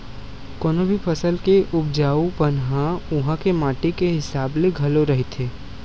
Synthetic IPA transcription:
kɔːnobʱipʰɐsəlkeʔʊb̚d͡ʒaːupɐnɦãʊɦãkemaːʈikeɦɪsaːbleɡʱɐloɾɐɦet̪ʰeː

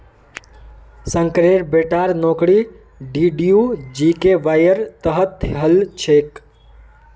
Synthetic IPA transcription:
sə̃ŋkɾeɾbeʈaːɾnoːkɽi | ɖiɖijud͡ʒikeʋajəɾt̪əɦət̪ʰːeɦəlt͡ʃʰek

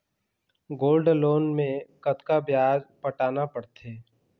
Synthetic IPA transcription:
ɡoːlɖloːnmẽkɐt̪kabjaːd͡ʒpəʈaːnapəɽt̪ʰeː

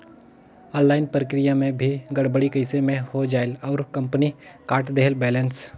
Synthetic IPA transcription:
ɔ̃ːnlaːɪnpɾəkɾɪjamẽbʱiɡəɽbəɽikəɪsemẽhod͡ʒaːelɔːɾkə̃mpnikaːɾʈd̪eɦlbɛːləns

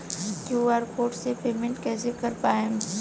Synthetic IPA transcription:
kuːaːɾkoːɾʈsepeːmẽɳʈkɛːsekɐɾpaːẽ

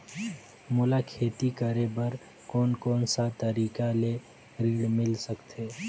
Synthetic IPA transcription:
mʊlakʰeːt̪ikəɾebəɾ | kɔːnkɔːnsat̪əɾiːkale | ɾiːɽmɪlsəkt̪ʰeː

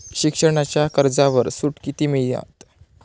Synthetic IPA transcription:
ɕikʂəɽ̃at͡ɕjakəɾd͡zaʋəɾsuʈkit̪iːmiɭjã̰t̪

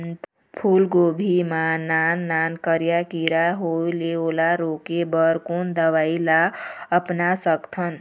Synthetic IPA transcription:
pʰulɡobʱimananːankəɾjakiɾaɦoileolaɾokebəɾkund̪əʋailaəpnasəkt̪ʰən

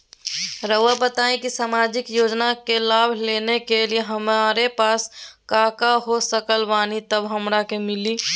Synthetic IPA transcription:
ɾəʋabət̪aĩkisamad͡ʒikjod͡ʒnakelabʱlenekelijeɦəmaɾepaːskakaɦosəkəlbanit̪əbɦəmɾakemili

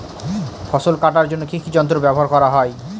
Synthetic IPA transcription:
fʰɔsolkaʈaɾd͡ʑonːokʰikʰid͡ʑɔnt̪ɾobɛboɦaɾkɔɾaɦɔe

